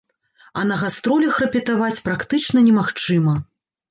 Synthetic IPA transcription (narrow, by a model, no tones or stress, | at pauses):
ɐnɐɣast̪ɾɔlʲɐxrɐpʲɛt̪avat͡sʲpɾakt̪ɨt͡ʂnɐnʲɛmaxt͡ʂɨmɐ